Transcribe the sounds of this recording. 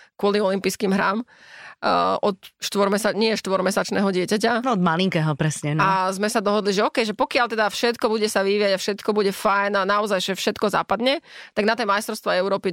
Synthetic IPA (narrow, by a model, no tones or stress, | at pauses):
kʊɔliɔlimpiːskiːmɦɾaːm | ʔɔt̪ʃt̪ʋɔɾmɛsaɲɪɛʃt̪ʋɔɾmɛsat͡ʃnɛːɦɔɟɪɛcacaɔd̪maliŋkɛːɦɔpɾɛsɲɛazmɛsad̪ɔɦɔd̪liʒɛɔkɛjʒɛpɔkɪalt̪ɛd̪afʃɛt̪kɔbuɟɛsaʋiʋiːaɟafʃɛt̪kɔbuɟɛfajnanaɔzajʒɛfʃɛt̪kɔza̰ːpad̪ɲɛt̪aɡnat̪ɛjmajst̪ɾɔʊst̪ʋaɛʊɾɔːpi